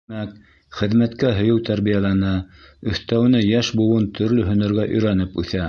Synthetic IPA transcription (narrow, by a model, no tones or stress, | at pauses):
æk | χɘ̆ðmæt̪kæɦɵ̆jɘwt̪æɾβijalˠænæɵ̆θt̪æw̆nɘjæʃbŭwɤnt̪ʰɵ̆ɾlɵɦɵ̆nɘ̆ɾɡæʔɵ̰̆jɾænɘpʉθæ